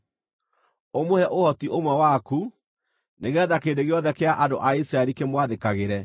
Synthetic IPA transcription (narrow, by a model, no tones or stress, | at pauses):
omohɛʔohɔtiʔomwɛwaku | neɣeɛðakeːdeɣeɔðɛkeaʔando̰ʔaisɾaɛɾikemwaðekaɣeɾɛ